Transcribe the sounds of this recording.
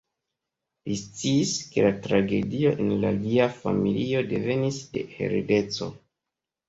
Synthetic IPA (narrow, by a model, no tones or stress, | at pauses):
list͡siːske̞latɾaɡe̞dio̞ʔenlaliafa̰milio̞de̞ve̞nisde̞he̞̰ɾede̞t͡so̞̰